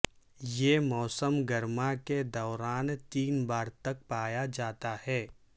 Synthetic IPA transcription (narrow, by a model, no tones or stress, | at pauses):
jeːmɔːsəmɡɐɾmaked̪ɔːɾaːnt̪iːnbaːɾt̪ɐk̚paːjad͡ʒaːt̪ahɛː